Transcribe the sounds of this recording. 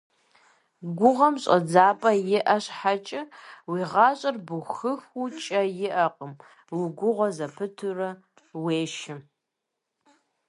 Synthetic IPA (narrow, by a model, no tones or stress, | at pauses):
ɡʷʊʁɐmɕʼɐ̰d͡zaːpʼɐjɪʔɐɕħat͡ʃʼɐwiːʁɑːɕʼɐrbuxɨxut͡ʃʼɐjɪʔɐqʼəm | wiɡʷʊʁʷɔzɐpʰɨtʰɨrɐ | weːʃɪm